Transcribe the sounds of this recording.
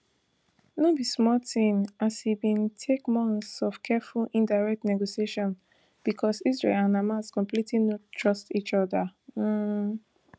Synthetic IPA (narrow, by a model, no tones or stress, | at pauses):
nobismɔltĩmʔashibĩntʰekmɔ̃nθsɔv̥kʰɛfulĩndaɹɛk̚tnɛɡosieʃɔ̃n | b̥ikʰɔsisɹḛlãnamaskɔ̃mplitʰlinottʰɹɔstit͡ʃɔdə